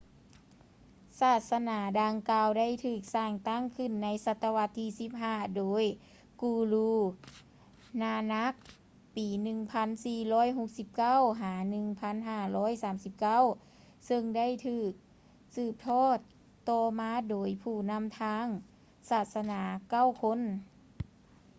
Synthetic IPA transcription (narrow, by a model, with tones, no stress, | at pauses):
saː˧˩t̪̚sa˧naː˩˦daː˧ŋkaː˧wda˥˩˨jt̪ʰɯː˧˩k̚saː˧˩ŋt̪a˥˩˨ŋkʰɯ˧˩˨nːa˧˥jsa˧t̪ːa˧wa˧˥t̪ʰːiː˧˩si˧˥p̚ɦaː˧˩doː˨˦j | kuː˧luː˧ | naː˧na˧˥k̚ | piː˨˧˦nɯ˧ŋpʰa˧˥˨nsiː˧˩lɔː˧˥˨jɦo˧k̚si˧˦p̚ka˥˨wɦaː˩˦nɯ˧ŋpʰa˧˥˨nɦaː˧˩lɔː˧˥˨jsaː˨˦msi˧p̚ka˥˩˨w | sɤ˧ŋda˥˨jt̪ʰɯː˧˩k̚ | sɯː˧˩p̚t̪ʰɔː˥˩t̪ː | ɔː˧˩maː˧˥doː˨˦jpʰuː˧˩na˧˥˨mt̪ʰaː˧˥ŋ | saː˧˩t̪̚sa˧naː˨˩˦ka˥˩˨wkʰo˧˥˨n